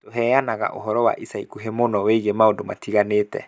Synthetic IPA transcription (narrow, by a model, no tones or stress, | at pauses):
toɦɛjanaɣa̰ʔo̰ɦɔɾɔwa̰ʔisaikuɦemonɔweiɣemaondoma̰tiɣaneːtɛ̰